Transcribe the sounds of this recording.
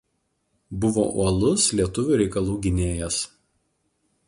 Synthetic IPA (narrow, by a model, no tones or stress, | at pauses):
bʊʋo̰ːʔṵɔlˠʊslʲiɛt̪ʊʋʲuˑɾʲɛɪkɐlˠuːɡʲɪnʲeːjɛs